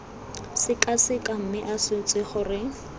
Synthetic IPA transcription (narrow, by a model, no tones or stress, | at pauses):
sɪkasɪkʼam̩mɪʔasɪt͡sʼɪχʊrɪ